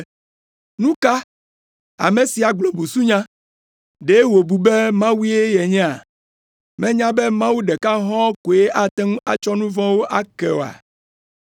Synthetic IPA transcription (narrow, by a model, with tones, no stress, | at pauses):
nũ˦ka˦ | a̰˨mẽ˨si˨a˨ɡ͡blo˨bu˨su˦ɲã˦ | ɖe˨˦wo˨bu˨be˦mã˦wi˦e˦jɛ˨ɲɛ̃˦a˨ | mɛ̃˦ɲã˦bɛ˦mã˦wu˦ɖɛ˨ka˦ɦɔ̃˦ko˨e˦ʔa˦t̪ɛ˦ŋũ˦a̰˨t͡ʃɔ˦nũ˦vɔ̃˦wo˦ʔa˦kɛ˨a̰˨